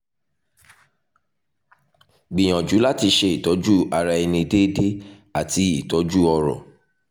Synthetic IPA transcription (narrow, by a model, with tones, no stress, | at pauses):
ɡ͡bĩ˨j̃ã˨d͡ʒu˨˦la˦ti˧ʃe˧i˨tɔ˨˦d͡ʒu˦a˧ɾa˧i˧nĩ˧de˦de˦ | a˨ti˧i˦˨tɔ˨˦d͡ʒu˦˨ɔ˧ɾɔ̰˨